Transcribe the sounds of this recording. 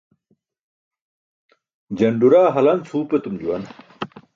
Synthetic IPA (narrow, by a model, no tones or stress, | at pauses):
d͡ʑɐɳɖuɾaːɦɐlɐnt͡sʰuːpet̪umd͡ʑuwɐn